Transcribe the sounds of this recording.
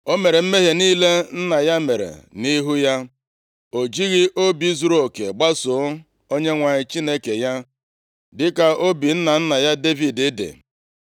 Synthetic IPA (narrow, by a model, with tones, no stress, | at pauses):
o˦me˨ɾe˨m̩˦me˦ɦe˨niː˦le˦n̩˦na˨ja˦me˨ɾḛ˨ni˦ɦu˦ja˦ | o˨d͡ʒi˦ɣi˦ʔo˦bi˨˦zu˨ɾo˦o˨kḛ˨ɡ͡ba˦sʊ˨˦ | o˦ɲe˦ŋʷa˨ɲɪ˨t͡ʃi˦ne˦ke˨ja˦ | dɪ˦ka˨o˦bi˨n̩˦na˨n̩˦na˨ja˦de˦vi˨dɪ˦dḛ˨